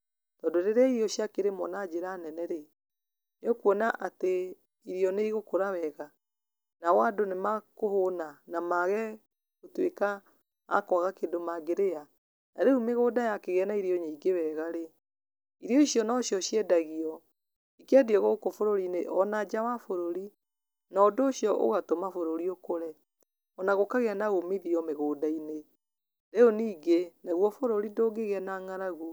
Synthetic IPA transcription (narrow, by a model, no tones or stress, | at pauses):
tɔndoɾeɾaiɔʃjakeɾemɔ̰nad͡ʑeɾanɛnɛɾe | neokwɔnaʔate | iɾiɔneiɣokoɾawɛɣa | nawadonemakohonanamaɣɛ | ɣotweka̰ː | kɔɣakedomaɡeɾea | naɾeumeɣoːdajakeɣɛnaiɾiɔɲaiɡewɛɣaɾe | iɾeɔiɕjɔnɔɕjɔʃjɛdaɣiɔ | ikeadiɔɣoɣkofoɾoɾineʔɔnad͡ʑawafoɾoɾi | nɔːdoːɕjɔʔo̰ɣatomafoɾoɾiokoɾɛ | ɔnaɣokaɣeanaɣomeðiɔmeɣoːdaine | ɾeoniːɡenaɣwɔfoɾoɾidoːɡeɣɛnaŋaɾaɣo